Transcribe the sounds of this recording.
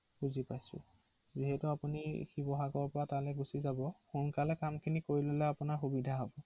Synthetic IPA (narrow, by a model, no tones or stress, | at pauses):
buzipajsʊ̰ | ziɦɛtʊapunixibɔɦaɡɔɹpɔɹatalɛɡusizabɔxunkalɛkamkʰinikoɹilolɛapʊnaɹxubidʱaɦɔbɔ